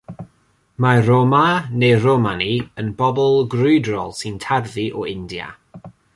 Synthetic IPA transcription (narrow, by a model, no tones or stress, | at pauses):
maromaneromaniənbɔbɔlˠɡrʊjdrɔ̰lˠsɪntʰarðiʔɔɪndja̰